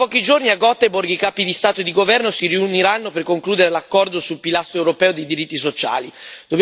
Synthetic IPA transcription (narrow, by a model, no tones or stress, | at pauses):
pɔk̟id͡ʒorniaɡɔt̪ːeborɡikaːpid̪ist̪aːt̪oed̪iɡovɛrnosiriuniɾanːoperkoŋkluːd̪eɾelakːɔrd̪osulpilast̪ɾoɛwɾopɛːod̪ejd̪iɾit̪ːisot͡ʃa̰ːlid̪̥obj